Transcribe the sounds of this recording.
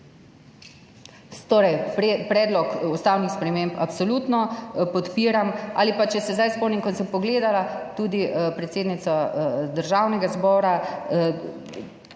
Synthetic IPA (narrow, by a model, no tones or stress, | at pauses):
t̪oːɾɛjpɾɛːd̪lɔkust̪aːwnixspɾɛmempapsɔluːt̪nɔpɔt̪piːɾamʔa̰ːlipat͡ʃɛsɛzd̪ajspɔwniŋkɔnsɛpɔɡleːd̪alat̪uːd̪ipɾɛt̪seːd̪nit̪sad̪əɾʒaːwnɛɡazbɔːɾa